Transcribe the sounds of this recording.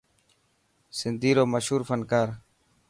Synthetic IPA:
sɪnd̪ʱiːɾoːməʃɦuːɾfʰənkaːɾ

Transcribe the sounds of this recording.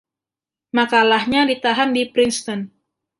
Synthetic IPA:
makalahɲadit̪aɦamdipɾinst̪ɔn

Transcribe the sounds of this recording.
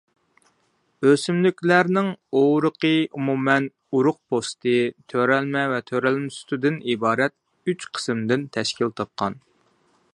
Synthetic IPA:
øsymlykʲlæɾnɪŋoɾəqəumumɛn | uɾʊq̚pʰost̪ɨt̪ʰøɾɛlmɛvɛt̪ʰøɾælmɪsy̥t̪ud̪ɪnibɑːɾɛt̪̚ | yt͡ʃqʰə̥smd̪ɪnt̪ʰɛʃkʲilt̪ʰɑp̚qʰɑn

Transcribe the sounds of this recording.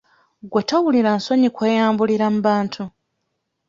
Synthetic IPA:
ɡwetawuliɾanso̞ɲikwe̞ːjaːmbuliɾamuβaːntʰu

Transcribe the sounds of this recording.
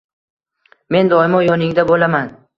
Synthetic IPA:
me̞nd̪ɒɪmɒjɒnɪŋd̪abolaman

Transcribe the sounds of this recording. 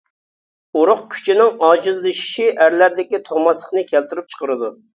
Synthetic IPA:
uɾʊqkʲʰy̥t͡ʃʰinɪŋɑːd͡ʒɨzlˠɨʃi̥ʃiʔæɾlæɾd̪ɪkʲit̪ʰoʁmɑslˠəχnɨkʲʰɛlt̪yɾyp̚t͡ʃʰə̥qəɾɨd̪u

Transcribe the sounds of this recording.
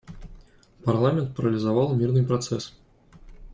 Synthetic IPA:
parlˠamʲɛnt̪̚pɐɾɐlʲizavalˠmʲirnɨjpɾat̪sɛs

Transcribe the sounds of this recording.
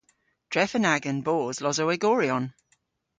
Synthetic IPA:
d̥ɹɛfənaɡə̃nboːzlɔzəwɛɡɔːɹiɔ̃n

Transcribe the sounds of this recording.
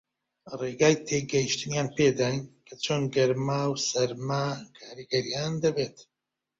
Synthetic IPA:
reɡaːjt̪ʰeɡɐjiʃt̪ɨnjaːnpeːd̪aːjnkʰɐt͡ʃʰoːnɡɐɾmaːwsɐɾmakʰaːɾiɡɐɾijaːnd̪ɐbeːt̪

